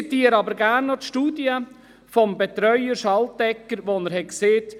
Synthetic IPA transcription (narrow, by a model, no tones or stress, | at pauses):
it̪iːəɾɑbəɾɡæːrnːɔtʃtuːdiə | fɔmbɛt̪ɾœʏəɾʃɑltdɛkːəɾʋonəɾhɛtkseːt